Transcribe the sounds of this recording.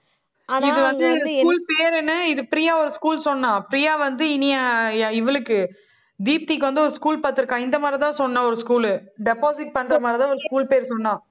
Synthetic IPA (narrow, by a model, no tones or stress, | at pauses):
ɪðɯʋɐnd̪ɯnɐskuːlpeːɾɛnːɯɪðɯpɪɾɪjaːɔɾɯskuːlsɔnːãːpɪɾɪjaːʋɐnd̪ɯɪnɪjãɪʋɐɭɯkːɯ | d̪iːp̚t̪ikːʋɐnd̪ɯɔɾɯskuːlpaːɾt̪ːɯɾɯkːãːɪnd̪ɐmaːd̪ɾɾɪt̪ãːsɔnːɐ̃ːɔɾɯskuːlɖɛpoːsɪʈ̚pɐɳːɾɐmaːd̪ɾɪt̪ãːɔɾɯskuːlpeːɾsɔnːãː